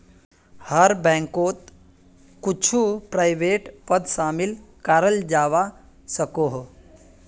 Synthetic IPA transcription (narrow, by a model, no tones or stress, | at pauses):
həɾbɛ̃ŋkoːt̪ | kut͡ʃʰupɾajʋeʈpəd̪ʃaːmilkaɾəld͡ʒaːʋa | səkoɦ